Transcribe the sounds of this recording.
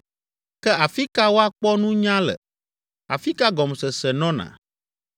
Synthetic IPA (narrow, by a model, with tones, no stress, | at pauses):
kɛ˦a˨fi˦ka˦wo˦a˦k͡pɔ˦nũ˦ɲã˦lɛ̰˨ | a̰˨fi˦ka˦ɡɔ˨msɛ˨sɛ˨nɔ̃˦nã̰˨